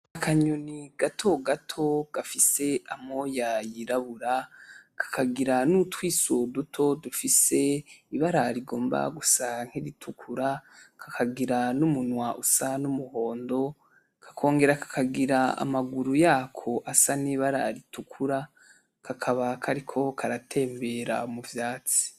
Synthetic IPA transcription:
akʰaɲoniɡ̥atʰo̞ɡatʰo̞ɡ̥afise̞amo̞jajiɾaβuɾakʰḁkʰaɡiɾanutwiːsodutʰo̞dufise̞iβaɾaɾiɡo̞ːmba̰ɡusaŋ̥heɾitʰukʰuɾakʰakʰaɡiɾanumunwaʔusanumuho̞ːndo̞ | kʰḁkʰo̞ːŋɡe̞ɾakḁkʰaɡiɾaa̰maɡuɾujaːkʰo̞ʔasaniβaɾa̰ɾitukʰuɾa | kʰakʰaβakʰaɾikʰo̞kʰaɾatʰe̞ːmbe̞ɾa̰muvjaːt͡si̥

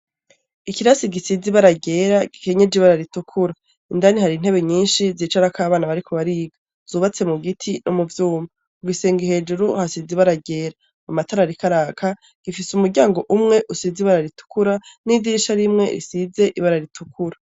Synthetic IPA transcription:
ikiɾasiɡisiziβaɾaɟe̞ːɾaɡ̥ike̞ɲe̞d͡ʒiβaɾaɾitukʰuɾa | indanihaɾin̥he̞βe̞ɲiːnʃiziːt͡ʃaɾakaːβaːnaβaɾikʰo̞βaɾiːɡa | z̥uːβat͡se̞muɡitʰinʔomuvjuːma | uɡiseːŋɡihe̞ːd͡ʒuɾuhasiziβaɾaɟe̞ːɾa | amataɾaɾikaɾaːkʰa | ɡ̥ifisumuɾɟaːŋɡo̞ʔumŋe̞ʔusiziβaɾaɾitu̥kuɾanidiːʃaɾimŋe̞̰ɾḭsize̞ʔiβaɾaɾitʰukʰuɾa

